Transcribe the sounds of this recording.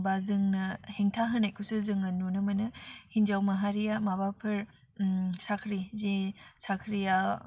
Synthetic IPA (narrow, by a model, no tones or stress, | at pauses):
bazɯŋnɐheŋtʰaɦɯnakʰusɯzɯŋɯnːunɯmɐnɯhind͡ʒawmɐɦaɾijamabapʰɐɾ | sakʰɾizesakʰɾija